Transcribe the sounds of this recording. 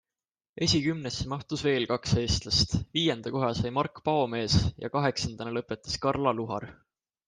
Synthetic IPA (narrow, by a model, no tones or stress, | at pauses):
e̞sʲikymnesːemɑht̪usve̞ːlkɑkshe̞ːst̪lɑst̪viːje̞nd̪̥ɑko̞ɦɑsɑjmɑrkːpɑo̞me̞ːsjɑ̰kɑɦe̞ksɑnd̪̥ɑnelɤ̞pːe̞t̪ːˑɑ̥skɑrlɑluɦɑ̰r